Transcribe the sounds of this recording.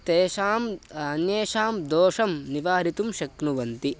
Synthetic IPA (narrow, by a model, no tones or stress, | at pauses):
t̪eːʃaːmɐnjeːʃaːmd̪oːʂɐmniʋaːɾit̪umʃɐknuʋɐnt̪i